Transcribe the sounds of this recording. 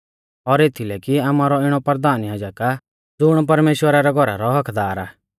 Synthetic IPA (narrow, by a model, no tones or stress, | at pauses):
ɔɾet̪ʰilɛkiamaːɾɔɪɽ̃ɔpəɾd̪aːnjaːd͡ʒaka | d͡zʊɽ̃p̬ɐɾmeːʃwəɾaɾɛɡʱɔɾa̰ɾɔɦɐkʰd̪aːɾaː